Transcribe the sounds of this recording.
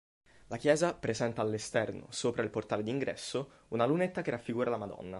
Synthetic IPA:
lakjɛːzapɾezɛnt̪aːlːest̪ɛrno̰soːpɾailport̪aːled̪iːŋɡɾɛ̰sːo | unalunet̪ːakerːafːiɡuːɾalamad̪ɔ̰nːa̰

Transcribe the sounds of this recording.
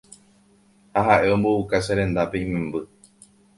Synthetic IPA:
haɦaʔe̞õ̞mboukaseɾẽ̞nd̪ape̞ĩmẽmbɨ

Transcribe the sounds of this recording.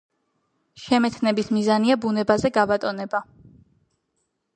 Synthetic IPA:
ʃɛmɛt̪ʰnɛbismizaniabunɛbazɛɡabat̪ʼɔnɛba

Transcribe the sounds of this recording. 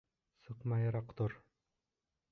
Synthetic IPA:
sɤqmɑjɑɾɑqt̪oɾ

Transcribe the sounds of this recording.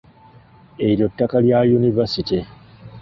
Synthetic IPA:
eɾjotːakaljajunivasiti

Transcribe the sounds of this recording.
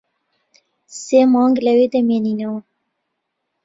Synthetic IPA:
seːmɑːŋɡlɛweːd̪ɛmeːninɐw

